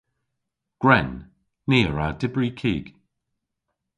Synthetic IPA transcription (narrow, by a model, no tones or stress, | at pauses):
ɡ̥ɹɛnː | iːɹadɪbɹikʰiːɡ̥